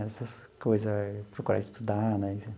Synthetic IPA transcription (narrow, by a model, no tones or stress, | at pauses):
ɛsɐskojzɐpɾokuɾa̰ɪst̪ud̪anɛsi